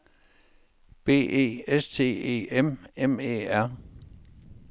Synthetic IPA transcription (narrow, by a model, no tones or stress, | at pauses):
b̥e̝̰ːe̝̰ːest͡sʰe̝̰ːe̝̰ːememḛːæɐ̰